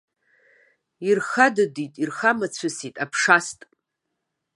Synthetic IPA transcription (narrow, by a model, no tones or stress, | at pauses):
irχadɨditʼirχamat͡ɕʷʰɨsitʼapʰʂastʼ